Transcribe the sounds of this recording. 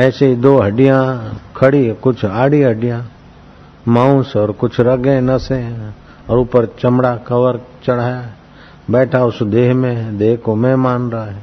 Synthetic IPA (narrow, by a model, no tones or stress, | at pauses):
ɛːseɦid̪oːɦɐɖijãkʰɐɽikʊt͡ʃʰaːɽiɦɐɖijã | mãːũnsɔːɾkʊt͡ʃʰɾɐɡẽnɐsẽ | ɔːɾʊpəɾt͡ʃɐmɽakɐʋəɾt͡ʃɐɽ̤aːja | bɛːʈʰaʊsd̪eːɦmẽɦd̪eːɦkomẽmaːnɾɐaɦɛ̃ː